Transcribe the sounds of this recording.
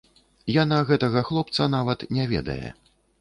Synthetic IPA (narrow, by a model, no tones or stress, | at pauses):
janaɣɛt̪ɐɣɐxlˠɔp̚t̪sɐnavɐt̪nʲɛvʲɛ̰d̪ɐ̰jɛ̰